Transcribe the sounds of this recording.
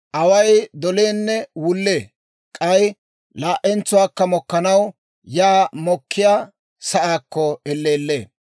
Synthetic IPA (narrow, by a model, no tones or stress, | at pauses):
ʔɐwɐjd̪ɔleːnːɛwʊlːeː | kʼɐj | laːʔɛnt͡sːʊwaːkːɐmɔkːɐnɐw | jaːmɔkːɪjaː | sɐʔaːkːɔɛlːeːlːḛː